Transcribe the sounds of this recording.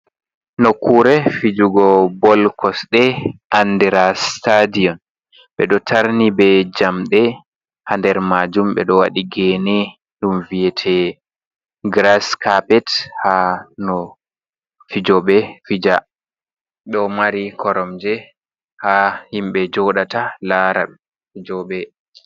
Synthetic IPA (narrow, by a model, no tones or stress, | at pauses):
nɔkuɾɛfid͡ʒuɡɔbɔlkɔsɗɛʔandɛɾastadiɔn | ɓɛ̰ɗɔtʰaɾnibɛd͡ʒamɗɛ | handɛɾmad͡ʒumɓɛ̰ɗɔwa̰ɗiɡɛnɛ | ɗumvijɛtʰɛ | ɡɾaskapɛthanɔ | fid͡ʒɔɓɛfid͡ʒa | ɗɔmaɾikʰɔɾɔmd͡ʒɛ | hahimɓɛd͡ʒɔɗatalaɾa̰ɓɛ | fid͡ʒɔɓɛ